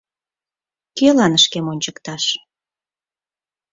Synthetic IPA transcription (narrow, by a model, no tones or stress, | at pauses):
kelɑnəʃkemonʲt͡ɕəkt̪ɑʃ